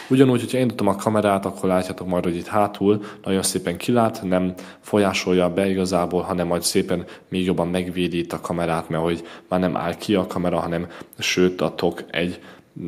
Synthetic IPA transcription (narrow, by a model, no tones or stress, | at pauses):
uɟɒnuːcho̞cʰɒiːnt̪ut̪omɒkʰɒmɛɾaːt̪ɒkʰːo̞rlaːcːaːt̪o̞kmɒjt̪ho̞ɟit̪haːt̪ʰuːlnʔɒɟo̞nseːpɛŋkʰilaːt̪nɛm | fo̞jaːʃo̞jːɒbɛiɡɒzaːboːlɦɒnɛmːɒjcseːpɛnmeːɡjo̞bːɒmːɛɡʋeːd̪iːt̪ɒkʰɒmɛɾaːt̪mɛho̞ɟmaːrnɛmʔa̰ːlkʰiɒkʰɒmɛɾɒɦɒnɛmʃøːt̪ɒt̪ʰo̞kɛ̰ɟ